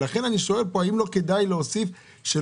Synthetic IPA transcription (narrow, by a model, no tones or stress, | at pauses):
laχe̞naniʃo̞e̞lpo̞aimlo̞ke̞dajleosif | ʃe